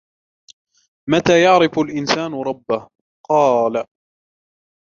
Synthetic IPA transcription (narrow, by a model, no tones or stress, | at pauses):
mat̪aːjɑʕɾɪfʊlʔɪnsaːnʊɾˤɑbːah | qɑːla